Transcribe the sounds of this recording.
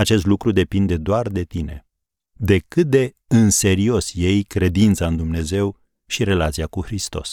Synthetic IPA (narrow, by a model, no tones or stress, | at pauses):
at͡ʃe̞s̬t̪lukɾud̪e̞pind̪e̞d̪oard̪e̞t̪ine̞̰ | d̪e̞kɨt̪̚d̪e̞ | ɨnse̞ɾio̞sje̞jkɾe̞d̪int̪saɨnd̪umne̞ze̞w | ʃiɾe̞lat̪sijakuxɾist̪o̞̰s